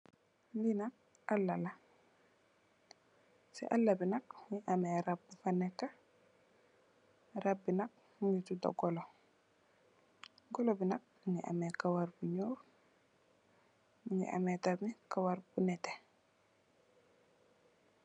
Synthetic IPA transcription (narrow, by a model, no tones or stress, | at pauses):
ndinak̚ | ʔalːala | sɛ̰ʔalːabinak̚ŋiʔamɛɾab̚ːufanɛkːa | ɾab̚ːinak̚ | ŋɡituda̰ɡɔlɔ | ɡɔlɔbinak̚ | ŋɡiʔa̰mɛkawaɾbuɲɔːf | miŋḭʔa̰mɛtamikawaɾb̥unɛtɛ